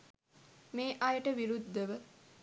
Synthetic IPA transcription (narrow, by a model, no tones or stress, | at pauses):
meːʔajəʈəʋiɾud̪ːəʋə